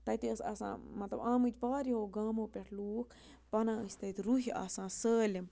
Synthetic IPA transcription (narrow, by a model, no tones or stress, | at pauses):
t̪ɐt̪iəsɐ̰sã̰ːmɐt̪lɐbaːmɨt͡ʃbaːɾiɦoːɡaːmõːpʲeʈʰluːk | pɐnãːɨsʲt̪ɐt̪iɾuɦia̰ːsãːsəːlim